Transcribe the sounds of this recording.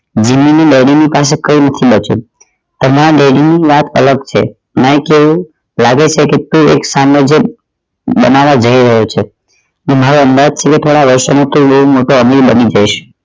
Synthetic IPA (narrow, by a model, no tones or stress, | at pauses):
d͡ʒimːineɖeɽinipas̬ekəinət̪ʰibət͡ʃṵ̃ | t̪əmaɾaɖeɽiniʋat̪ələɡt͡ʃʰḛ | məekeʋũ | laɡet͡ʃʰeket̪ũḛksamed͡ʒe | bənaʋad͡ʒəiɾəɦot͡ʃʰe | nemaɾoənd̪ad͡ʒt͡ʃʰeket̪ʰoɽaʋəɾʃomat̪ũbəɦumoʈoəmiɾbənid͡ʒajʃ